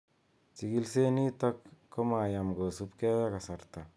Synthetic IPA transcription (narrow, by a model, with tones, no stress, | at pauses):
t͡ʃi˨ɡi˦lse˦ni˦ta˦kːo˦ma˨ja˨mɡo˨su˦pkɛ˦ja˦ka˨sa˨ɾta˨